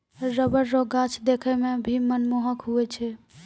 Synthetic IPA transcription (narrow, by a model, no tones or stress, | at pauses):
ɾəbəɾːoɡat͡ʃʰd̪ekʰɛmebʱimənmoɦəkɦuɛt͡ʃʰɛ